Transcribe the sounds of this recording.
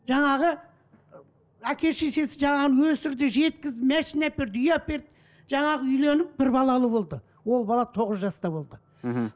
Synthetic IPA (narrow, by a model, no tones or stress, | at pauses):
ʒ̥ɑɴɑʁə | ækʲʰe̞ʃe̞ʃe̞sɪʒɑɴɑʁənəwɵsɪɾd̪ɪʒe̞t̪kʲɪzd̪ɪmæʃinapeɾd̪ʏjɑpe̞ɾd̪ | ʒɑɴɑʁəʏjle̞nɪp̚b̥ɪɾbɑlˠɑlˠəbo̞lˠd̪ə | wo̞lˠbɑlˠɑt̪ʰo̞ʁəzʒɑst̪ɑbo̞lˠd̪ə